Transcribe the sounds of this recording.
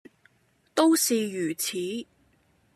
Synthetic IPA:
t̪o˥wsiː˨jyː˨˩t͡sʰiː˨˥˦

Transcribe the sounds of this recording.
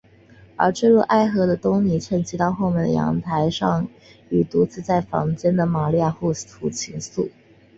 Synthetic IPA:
ə̰˞˧˥ʈ͡ʂ̩˥˧ɻu˥˧ʔa˥˩ɪxɤ˧˥d̪ə˧t̪ʊ˥ŋni˧˥ʈ͡ʂʰə˧˥ŋt͡ɕʰi˧˥t̪ɑ˥˧ʊxo˥˧ʊmjɛ˥˩nd̪ə̰˩jɑ̰˧˥ŋt̪ʰa˧˥ɪʂɑ˥˩ŋ | y˨˩t̪u˧˥t͡sɹ̩˥t͡sa˥˩ɪfɑ̰˧˥ŋt͡ɕjɛ˥nd̪ə˨ma˨˩li˥˧ja˥˧xu˥˩t̪ʰu˧˥˩t͡ɕʰi˧˥ŋsu˥˩

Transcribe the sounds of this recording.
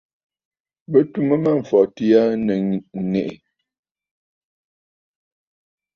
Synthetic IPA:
bə˦tu˦mə˦ma˦˨ɱ̩˨fɔ˨ti˦ja˦nə˨ŋɛ˨ʔe˨

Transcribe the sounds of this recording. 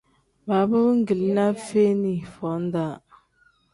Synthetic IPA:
ba˨bə˦ŋ̩˦ɡi˨li˦na˦fe˦ni˨fɔ˨˦n˦da˦˨

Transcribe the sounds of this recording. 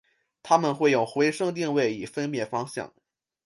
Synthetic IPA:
t̪ʰa˥mə˨nxwe˥˩ɪjo˥˩ʊxwe˧˥ɪʂɤ˥ŋt̪̬i˥˧ŋwe˥˩ɪi˨˩fə˥nmjɛ˥˩fɑ˥ŋɕjɑ̰˥˩ŋ

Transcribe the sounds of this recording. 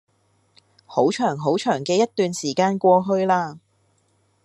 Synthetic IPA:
ho˨˥wt͡ʃʰœː˨˩ŋɦo˨˥wt͡ʃʰœː˨˩ŋkɛː˧jɐ˥t̚t̪ːyː˨nsiː˨˩kaː˧nkʷɔː˧ɦɵ˧ɥlaː˧

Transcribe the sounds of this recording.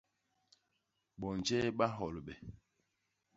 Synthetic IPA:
ɓɔ˨n˨d͡ʒɛ˦ɓa˦ɦɔ˨lɓɛ˨

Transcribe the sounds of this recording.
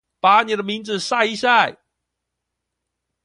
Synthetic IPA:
pa˨˦ni˨də˧mi˧˦ŋd͡z̩˨sa˥˧i˧˦ɕja˥˧˩

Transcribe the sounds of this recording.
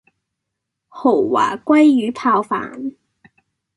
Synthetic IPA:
ho˨˩wwa̰ː˨˩kwa˥jyː˨˥pʰaː˧wfa̰ː˨˩n

